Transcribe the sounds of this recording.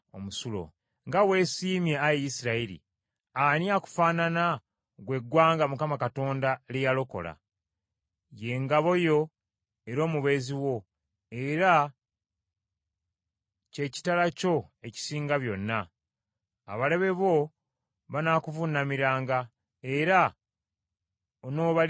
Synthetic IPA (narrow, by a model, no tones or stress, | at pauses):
o̰musulo̞̰ | ŋɡawe̞ːsiːmje̞ajejisiɾaiɾḭ | anjaku̥faːnana | ɡwe̞ɡwaːŋɡamukamakato̞ːndalejalo̞ko̞̰la̰ | je̞ŋɡaβo̞jo̞ | e̞ɾo̞ːmuβe̞ziwo̞ | e̞ɾa | ce̞ci̥talaco̞e̞ci̥siːŋɡaβjo̞nːa̰ː | βale̞βe̞βo̞ | βanaːkuvunːamiɾaːŋɡa | e̞ɾa | ono̞ːβa